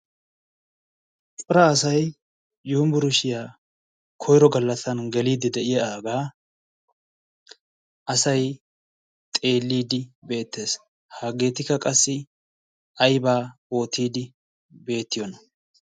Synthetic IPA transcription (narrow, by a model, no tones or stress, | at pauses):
t͡sʼʊɾɐːsɐj | juːmbʊɾʊʃɪjaː | kʰɔjɾɔɡɐlːɐsɐnɡɛliːd̪ɪd̪ɛʔɪjaaːɡaː | ʔɐsɐj | t̪ʼe̞ːlːiːd̪ɪbe̞ːt̪ːe̞ːs | haːɡe̞ːt̪ɪkːɐkʼɐsːɪ | ɐjbaːoːt̪ʰiːd̪ɪ | be̞ːt̪ːɪjɔnɐ